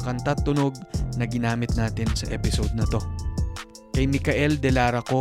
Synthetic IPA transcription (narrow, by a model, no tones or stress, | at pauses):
ɐkɐnt̪at̪ːʊno̞ɡ̚nɐɡɪnaːmɪt̪̚naːt̪ɪnsɐʔɛpɪsod̪̚nɐt̪o̞ | kɐjmɪkɐʔɛld̪ɛlaːɾɐko̞